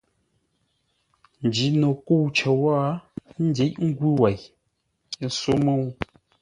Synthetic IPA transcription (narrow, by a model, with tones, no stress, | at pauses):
n˨d͡ʒi˨˦no˨ko˦˨wt͡ʃə˨wa˦n̩˦de˨˦cŋ̩˦ɡwu˦wa˨j | so˦mə˦˨wu˦